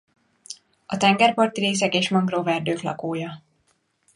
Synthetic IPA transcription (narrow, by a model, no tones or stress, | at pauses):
ɒt̪ɛŋɡɛrpɒrt̪iɾeːs̬ɛkeːʃmɒŋɡrovɛrd̪øːklɒ̰koːjɒ